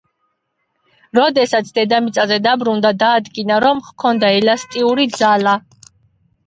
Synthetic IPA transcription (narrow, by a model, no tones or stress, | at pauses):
ɾɔd̪ɛsat̪sʰd̪ɛd̪amit̪sʼazɛd̪abɾund̪ad̪aːd̪ɡinaɾɔmχkʰɔnd̪aɛlast̪ʼiuɾid̪zala